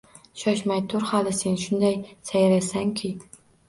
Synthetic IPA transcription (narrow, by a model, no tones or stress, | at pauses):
ʃɒʃmajt̪ʰʊɾhalɪse̞nʃʊnd̪ajsajɾasaŋkʲʰɪ